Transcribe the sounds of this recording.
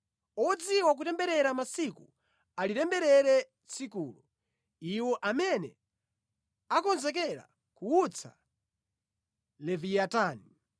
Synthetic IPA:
ɔd͡ziwak̬utɛmbɛɾɛɾamasiku | alitɛmbɛɾɛɾɛ | t͡sʰikuːlu | iwɔʔamɛnɛ̰ | akɔnzɛk̬ɛɾa̰ | kuut͡sʰa̰ | lɛviataːni

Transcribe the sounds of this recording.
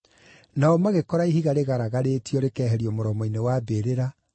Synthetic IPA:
naɔmaɣekɔɾaiɦhiɣaɾeɣaɾaɣaɾeːtiɔɾekɛːɦɛɾiɔmoɾɔmɔinewabeɾeɾa

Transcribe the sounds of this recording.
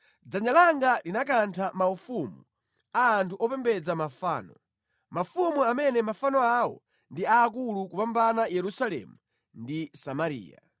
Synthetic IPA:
d͡zaɲalaŋɡalinakantʰamaufumu | aːntʰuʔɔpɛmbɛd͡zamafa̰ːnɔ | mafumuamɛnɛmafanɔawɔ̰ | ndiaːk̬ulukupambanajɛɾusalɛ̰mu | ndisamaɾḭːa̰

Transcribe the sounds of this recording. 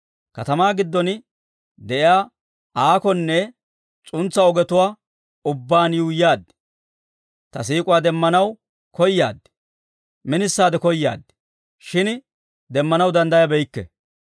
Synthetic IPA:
kɐt̪ɐmaːɡɪd̪ːɔn | d̪ɛʔɪaː | aːkɔnːɛ | t͡sʼʊnt͡sːɐɔɡɛt̪ʊwaː | ʊbːaːnjuːjaːd̪ː | t̪ɐsiːkʼʊwaːd̪ɛmːɐnɐw | kɔjːa̰ːd̪ː | mɪnɪsːaːd̪ɛkɔjːa̰ːd̪ːɛ̥ | ʃɪn | d̪ɛmːɐnɐwd̪ɐnd̪ɐjɐbɛjkːɛ̰

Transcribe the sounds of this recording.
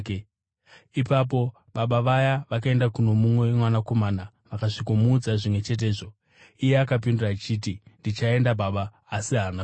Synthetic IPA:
ipap̬o̞ | ɓaɓaʋajaʋakae̞ndakuno̞mumwewemwanako̞maːna | ʋakaʐikomuːd͡zaʐimwe̞t͡ʃe̞t̬e̞ːʐo̞ | ije̞akap̬indurat͡ʃiːtindit͡ʃae̞ndabaɓaː | siɦana

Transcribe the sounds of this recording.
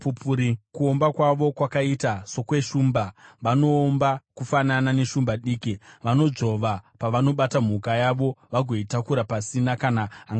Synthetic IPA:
pupuɾikuo̞mbakwaʋo̞kwakaitaso̞kwe̞ʃuːmbaʋano̞ːmbakufananane̞ʃumbaɗiːkiʋano̞ʐo̞ʋapaʋano̞ɓatam̤ukajaʋo̞ʋaɡʱo̞itakuɾapasinakanaaŋɡa

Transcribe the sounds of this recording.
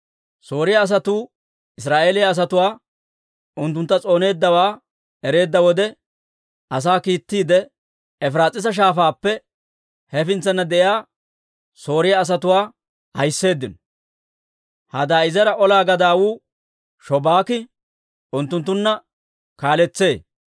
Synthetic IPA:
so̞ːɾɪjɐːs̬ɐt̪uː | ɪs̬ɾaːʔe̞ːlɪjɐːs̬ɐt̪ʊwaː | ʊnt̪ːʊnt̪ːɐt͡sʼo̞ːne̞ːd̪ːɐwaː | ɛɾe̞ːd̪ːɐwɔd̪ɛ | ʔɐs̬aːkiːt̪ːiːd̪ɛ | ɛfɾaːt͡sʼɪs̬ɐʃ̬aːfaːpːɛ | hɛfɪnt͡sːɐnːɐd̪ɛʔɪjaː | so̞ːɾɪjɐːs̬ɐt̪ʊwaː | hɐjsːe̞ːd̪ːɪnɔ | hɐd̪aːɪzɛɾɐʔɔlaːɡɐd̪aːwuː | ʃɔbaːkɪ | ʊnt̪ːʊnt̪ːʊnːɐ | kaːlɛt͡sːe̞ː

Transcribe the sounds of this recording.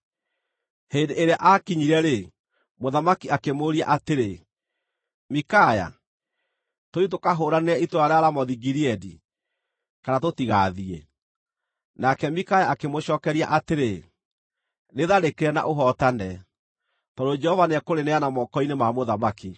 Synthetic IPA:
hendeːɾeaʔakiɲiɾɛɾe | moðamakiakemoɾia̰ʔateɾe | mikaja̰ | toit̬okaɦoːɾaneɛitoɾaɾeaɾamɔðiɡiɾiɛdḭ | kanatotiɣaðiɛ̰ | nakɛmikajaːkemoɕɔːkɛɾia̰ʔateɾe | neðaɾekeɾɛna̰ʔoɦɔtanɛ | tɔdod͡ʒɛhɔvaneɛkoɾeneanamɔkɔinemamoðamaki

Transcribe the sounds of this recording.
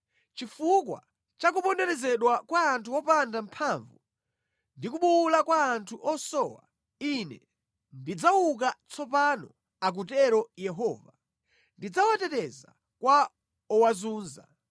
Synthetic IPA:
t͡ʃifuk̬wa̰ | t͡ʃak̬uɓɔndɛɾɛzɛɗwakwaːntʰuɔpandam̩pʰaɱvu | ndik̬uɓuulakwaːntʰuʔɔsɔwa̰ | inɛ | ndid͡zawuk̬at͡sʰɔpanɔ | ak̬utɛɾɔjɛɦɔːva | ndid͡zawatɛtɛza̰ | kwa | ɔwazuːnza

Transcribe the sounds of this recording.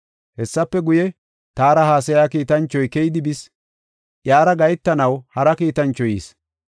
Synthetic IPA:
hɛsːɐpːɛɡʊjɛ | t̪aːɾɐhaːs̬ɐjaːkiːt̪ɐnt͡ʃːɔjkɛjɪd̪ɪbɪs | ʔjaːɾɐɡɐjt̪ːɐnɐwhɐɾɐkiːt̪ɐnt͡ʃːɔjiːs

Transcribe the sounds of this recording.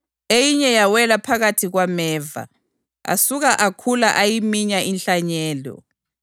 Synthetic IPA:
ejiɲɛjawɛlapʰaɣatʰiɣwamɛːva̰ | a̰suɣaʔakʰulaʔajimiɲainɬaɲɛːlɔ̰

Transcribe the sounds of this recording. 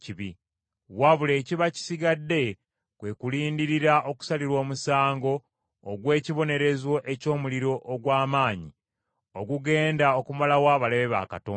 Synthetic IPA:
ciβi | βwaβule̞ːciβaci̥siɡadːe̞ | kwe̞kuliːndiɾiɾaʔo̞ku̥saliɾwo̞ːmusaːŋɡo̞ː | ɡwe̞ːciβo̞ne̞ɾe̞zwo̞ʔe̞co̞ːmuliɾo̞ʔoɡwaːmaːɲi | oɡuɡe̞ːndao̞kumalawaːβaleβeβa̰ka̰toː

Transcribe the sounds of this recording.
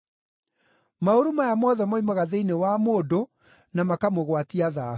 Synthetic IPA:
maoɾumajamɔðɛmɔimɔɣaðeinewamoːdo | namakamoɣwatiaða

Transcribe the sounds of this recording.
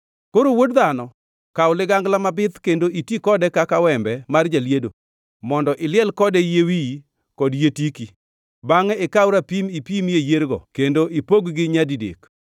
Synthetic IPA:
koɾowodd̪anɔ | kawʊlɪɡaŋɡlamabɪt̪kendoʔitikɔdɛkakawɛmbɛmard͡ʒaljedo | mɔndɔʔɪlɪɛlkɔdɛjewi | kɔdjetiki | baŋɛɪkawɾapimipimjejeɾɡɔ̰kendoipoɡɡɪɲadidḛk

